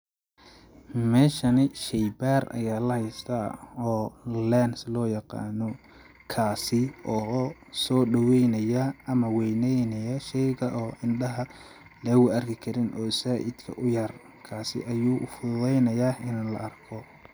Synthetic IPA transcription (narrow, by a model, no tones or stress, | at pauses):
mɛːʃɐnɪʃɛjbaːrɐ̰jaːlɐhɛjst̪ʰɐɔːlɛnslɔːjɑqɑ̰ːnɔ | kʰaːsɪʔɔː | sɔːɖɐwɛjnɐjɐɐmɐwɛjnɛjnɐjɐʃɛjɣɐʔɔːʔɪnɖɐɦɐ | lɛːɣʊɐrkʰɪkʰɐɾɪnʔɔːsaːʔɪ̰d̪kʰɐ̰ʔʊjɐr | kʰaːsɪ̰ʔɐjuːʔʊ̰fʊðɛjnɐjaːɪnlɐ̰ʔɐrkʰɔ